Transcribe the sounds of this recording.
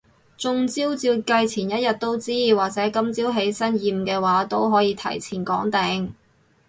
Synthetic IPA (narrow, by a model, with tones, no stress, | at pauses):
t͡sʊ˧ŋt͡siː˥wt͡siː˧wkɐ˧jt͡sʰiː˨˩njɐ˥t̚jɐ˨t̚t̪ːo˥wt͡siː˥waː˨˩k̚t͡sɛː˨˥kɐ˧mt͡siː˥wɦe˨˥jsɐ˥njiː˨˧m˨kɛː˧waː˨˥t̪o˥wɦɔː˨˥jiː˨˧t̪ʰɐ̰˨˩jt͡sʰiː˨˩nkɔ̰ː˨˥ŋt̪ɛ˨˧ŋ